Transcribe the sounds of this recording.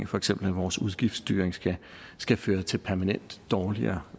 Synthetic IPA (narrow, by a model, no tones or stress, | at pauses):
ŋfɒ̽eɡ̥sem̰b̥l̩æʋɒːsuð̞ˠɡ̥ifd̥sd̥y̰ːɐeŋ̥ | sɡ̥æføːɐt͡sʰe̝lpʰæɐmænen̰d̥ːɒːliɐ̰ː